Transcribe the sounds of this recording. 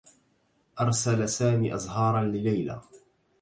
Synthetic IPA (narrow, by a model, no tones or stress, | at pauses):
ʔɑɾˤsalasaːmiːʔɑzˤɦɑːɾˤɑnlɪlajla̰ː